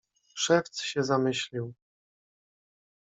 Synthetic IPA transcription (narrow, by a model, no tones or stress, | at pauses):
ʂɛft̪sɕɛzamɘɕlʲiw